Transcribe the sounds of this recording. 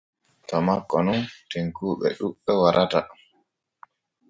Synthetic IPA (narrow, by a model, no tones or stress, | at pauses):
tɔmakːɔnunteŋkuːɓɛ̰ɗuɓːɛwaɾʔata